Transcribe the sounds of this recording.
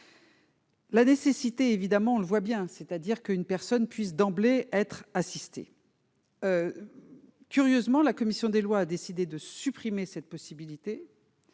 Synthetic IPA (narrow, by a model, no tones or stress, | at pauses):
lanesesit̪eːvid̪amɑ̃ɔ̃ləvwabjɛ̃sɛt̪ad̪iʁkəynpɛʁsɔnpɥis̬d̪ɑ̃bleɛt̪χasist̪ḛ | ø | kʲyʁjøzmɑ̃lakɔmisjɔ̃d̪elwaːd̪esid̪ed̪əsypχimesɛt̪̚pɔsibilit̪e